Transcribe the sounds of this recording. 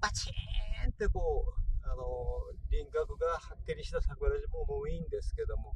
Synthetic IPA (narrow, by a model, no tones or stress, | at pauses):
mat͡ɕiẽnt̪e̞ko̞ːano̞ɾʲĩŋɡakɯ̟ɡahakʲːeɾʲiɕi̥t̪asakɯaɾaʑimoːmoĩnd̪e̞sɨ̥ke̞d̪o̞mo̞